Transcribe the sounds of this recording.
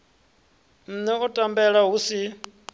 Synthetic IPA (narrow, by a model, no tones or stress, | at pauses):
m̩nɛʔɔtʼambɛɺaɦusi